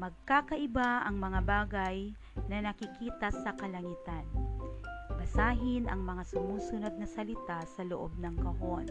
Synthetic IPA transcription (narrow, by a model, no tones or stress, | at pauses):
mɐɡ̚kaːkɐʔɪbaʔɐŋmɐŋabaːɡɐj | nɐnɐkɪkiːt̪ɐsɐkɐlɐŋiːt̪ɐn | bɐsaːɦɪnʔɐ̰ŋmɐŋasʊmuːsʊnod̪̚nɐsɐlɪt̪asɐloʔob̚nɐŋkɐho̞n